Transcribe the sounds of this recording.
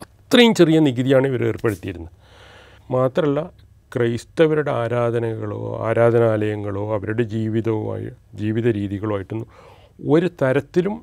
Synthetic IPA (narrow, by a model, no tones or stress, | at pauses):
ɐt̪rɐjumt͡ɕerijɐniɣiðijaːɳiʋɐɾeːrpe̞ɽut̪ːijiɾunːɐ | maːt̪rɐmɐlːɐ | krɐjst̪ɐʋɐɾuɽeaːɾaːd̪ʱɐnɐɣɐɭo̰ːa̰ːɾaːd̪ʱɐnaːlɐjɐŋːɐɭo̞ːɐʋɐɾuɽe̞d͡ʑiːʋiðɐ̰ːj̰d͡ʑiːʋiðɐɾiːðiɣɐɭʋaːjiʈːunːu | o̞ɾut̪ɐɾɐt̪ːilum